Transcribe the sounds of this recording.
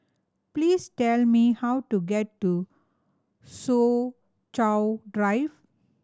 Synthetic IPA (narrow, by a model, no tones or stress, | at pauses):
plistɛlmihawtuɡɛtːu | so | t͡ʃawdɹajv